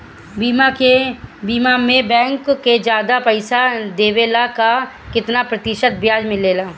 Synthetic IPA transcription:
biebiːmamẽbɛ̃ːŋkːed͡ʒjaːd̪apəɪsad̪eːʋeːlaka | kɪt̪napɾɐt̪ɪʃət̪̚bjaːd͡ʒmɪ̃leːlaː

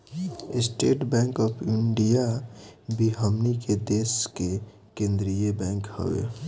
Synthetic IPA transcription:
ɪsʈeːʈbɛ̃ːŋkɔːpʰɪɳɖijabʱiɦəmniked̪eːske | kẽːnd̪ɾijebɛ̃ːŋkhə̰ʋḛ

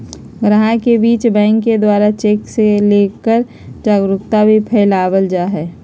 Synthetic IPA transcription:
ɡɾaɦãkebiːt͡ʃbɛ̃ːŋkːed̪waːɾat͡ʃeːkseleːkəɾ | d͡ʒaːɡɾʊkt̪abʱipʰɛːɪlaːwəld͡ʒaːɦɛː

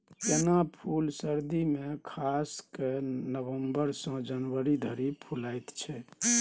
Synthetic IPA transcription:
k̪enapʰulsəɾd̪imekʰaskenəbəmbəɾsə̃d͡ʒənʋəɾid̪ʱəɾipʰulajt̪t͡ʃʰɛ

